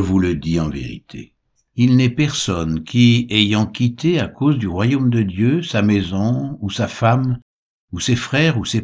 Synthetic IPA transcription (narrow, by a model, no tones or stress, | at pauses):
əvuləd̪iɑ̃vḛʁḭt̪ʰḛ | ilnɛpɛʁsɔnkʲʰiejɑ̃kʲit̪eakozd̪yʁwajomd̪əd̪jøsamɛzɔ̃usafam | usefχɛʁuse